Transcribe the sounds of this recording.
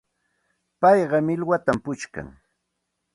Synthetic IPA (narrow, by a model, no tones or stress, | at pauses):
pɑjɢɑmɪlwat̪ampʊt͡ʃka̰ŋ